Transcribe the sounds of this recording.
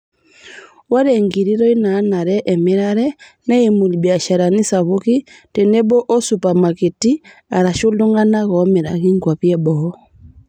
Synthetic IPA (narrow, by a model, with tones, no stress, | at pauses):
wa˦ɾɛŋɡiɾi˦ɾɔ˦i˦naː˦na˨ɾɛʔɛmɛ˦ɾaɾɛnɛimu˨li˨bja˨ʃa˨ɾa˨ni˦saβu˦kitɛ˨nɛ˦bɔ˦ʔɔ˦supa˨ma˨ke˨tia˨ɾa˨ʃo˦lo˦ŋɡa˦na˦ɣɔ˦mɛ˨ɾa̰˨ɣi˦ŋɡwa˨βjɛbɔɔ˦